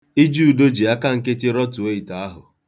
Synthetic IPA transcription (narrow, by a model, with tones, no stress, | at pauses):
i˦d͡ʒu˦˨do˦d͡ʒi˨a˦ka˦ŋ̩˦ke˦tɪ˦ɾɔ˦tu˨o˦i˨ta˨a˦ɦʊ˨